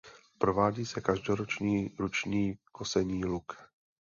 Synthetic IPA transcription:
pɾovaːɟiːsɛkaʒdoɾot͡ʃɲiːɾut͡ʃɲiːkʰosɛɲiːluk

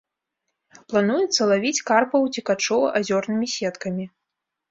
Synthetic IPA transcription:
plˠan̪ujɛt̪sːɐlˠavʲit͡sʲkarpɐwt͡sʲikat͡ʂɔvɐʔazʲɔrnɨmʲisʲɛt̪kɐmʲi

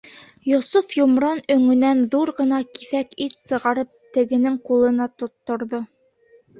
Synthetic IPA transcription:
jŏsufjomɾɑnɵ̆ŋɵ̆nænðuɾʁɤ̆nɑkiθækit̪sɤ̆ʁɑɾɤp̚t̪ɘ̆ɡɘ̆nɘŋqulˠɤ̆nɑt̪ŏt̪ːŏɾðo

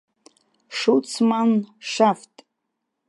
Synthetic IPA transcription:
ʂut͡sʰmanʂaftʼ

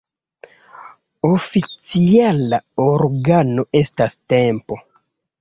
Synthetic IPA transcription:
ofit͡sialaoɾɡano̞ʔe̞staste̞mpo̞

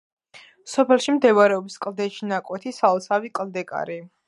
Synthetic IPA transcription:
sɔpʰɛlˠʃimd̪ɛvaɾɛɔbiskʼlˠd̪ɛʃinakʼwɛt̪ʰisalɔsavikʼld̪ɛkʼa̰ɾi

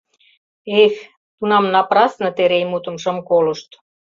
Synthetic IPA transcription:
ex | t̪unɑmnɑprɑsnɤ̆t̪eɾejmut̪ə̆mʃɤ̆mkolə̆ʃt̪

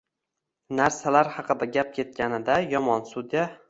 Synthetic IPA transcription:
naɾsalaɾhɑqɨd̪aɡʲap̚kʲʰe̞t̪̚kʲʰanɪd̪ajɒmɒnsʊd̪ja

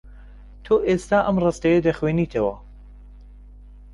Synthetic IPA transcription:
t̪ʰoːʔest̪aːʔɐmrɐst̪ɐjed̪ɐxweːniːt̪ʰɐwɐ

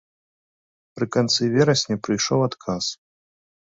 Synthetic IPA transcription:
pɾɨkant̪sɨvʲɛɾɐsʲnʲipɾɨjʂɔwat̪kʰas

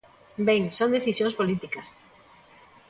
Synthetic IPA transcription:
beŋsõnd̪eθisjõŋspolit̪ikɐs

